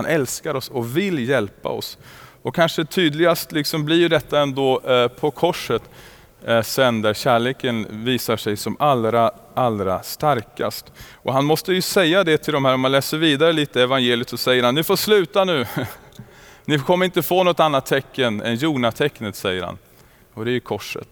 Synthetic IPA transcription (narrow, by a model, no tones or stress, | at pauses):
anʔɛlskaɾɔsɔvɪljɛlpa̰ɔ̰s | ɔkʰanʂət̪ʰyːd̪lɪɡast̪lɪksɔmblɪjd̪ɛt̪ːaɛnd̪oːpʰɔkʰɔʂət̪ | sɛnd̪æɾɕæːɭeːkənviːsaʂɛjsɔmalɾa | ʔalːɾa̰st̪aɾka̰st̪ʔɔɦanmɔst̪əjɵsɛjːad̪ɛt̪ʰɪld̪ɔmhæːɾɔmanlɛːsəɾviːd̪aɾəliːt̪əɛvanjeːlɪət̪sɔsɛjːəɾhanːɪfoːʂlʉ̟ːt̪anʉ̟ː | nɪkʰɔmːəɾɪnt̪əfoːnɔt̪ːanːat̪ʰːɛkːənɛ̰njuːɳat̪ʰɛkːnət̪sɛjːəɾha̰n | ɔd̪ɛæjɵkʰɔʂə̰t̪